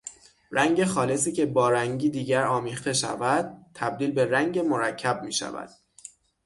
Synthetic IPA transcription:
ɾæŋɟe̞xɒːle̞siːce̞bɒːɾæŋɟiːd̪iːɟæɾɒːmiːχt̪e̞ʃæ̰væd̪̥̚t̪ʰːæb̚d̪iːlbe̞ræŋɟemoɾæcʰːæb̚miːʃæ̰væ̰d̪̥

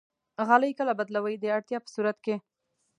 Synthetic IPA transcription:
ɣɑləjkəlabad̪lawəjd̪əaɽt̪jɑpə̥suɾat̪ke

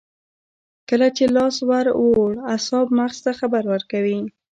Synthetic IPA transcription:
kəlat͡ʃelɑswaɾwoɽasɑbmaxst̪axabaɾwəɾkawi

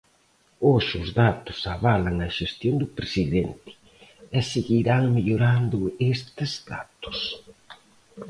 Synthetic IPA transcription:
oʃuzd̪at̪usaβalanːaʒest̪jond̪upɾesiðɛnt̪ɪ̥ | ɛsiɣiɾaŋmiʎuɾand̪ʊest̪ɪzd̪a̰t̪u̥s

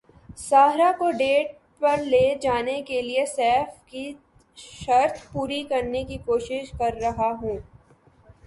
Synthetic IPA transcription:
saːɦɾakoɖeːʈ̚ | pɐɾleːd͡ʒaːnekeliesɛːfki | ʃɐɾt̪ʰpuːɾikɐɾnekikoːʃɪʃkɐɾːɐɦaɦũː

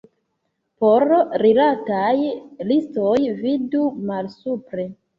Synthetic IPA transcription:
poɾɾilatajlistojvidumalsupɾe̞

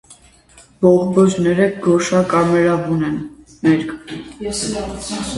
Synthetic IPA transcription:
bɔʁbɔd͡ʒnɛɾəɡɔʃɑkʼɑmɛɾɑvunɛn | mɛɾk

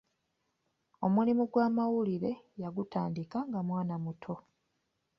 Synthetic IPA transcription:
o̞mulimuɡwaːmawuliɾe̞jaɡutaːndikaŋɡamwaːnamutʰo̞

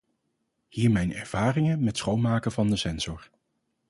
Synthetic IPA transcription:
hiːɹmɛjnɛ̰ɹv̥aːrɪŋənmɛtsχowmaːkəvɑndəsɛnz̥ɔɹ

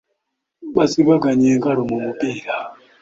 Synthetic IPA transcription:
ɓasiβaɡaɲeŋɡaɾomumupiːɾa

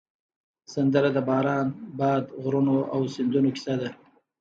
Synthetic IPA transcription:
sand̪əɾad̪əbɑːɾɑːnbɑd̪ɣɾunoʔawsɪnd̪unokɪ̥sad̪a

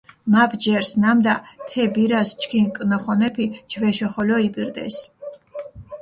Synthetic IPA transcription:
mapʰd͡ʒɛɾsnamd̪at̪ʰɛbiɾast͡ʃʰʼkʰinkʼnɔχɔnɛpʰid͡ʒʰvɛʃɔχɔlɔibʼiɾd̪ɛ̰s

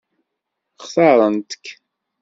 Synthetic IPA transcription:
χθɑɾˤənt̪ə̥kː

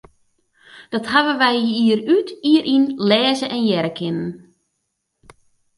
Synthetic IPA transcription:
d̥ɔthaʋəʋɛjiərytiəɾʔinlɛːzəʔɛnjɛɾəkʰɪnən

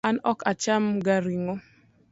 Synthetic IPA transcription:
anɔkat͡ʃamɡaɾiŋo

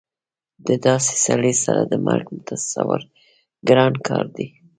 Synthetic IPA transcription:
d̪əd̪ɑse̥saɽesaɾad̪əmalɡmʊt̪ʰassawaɾ | ɡɾɑnkʰɑɾd̪i

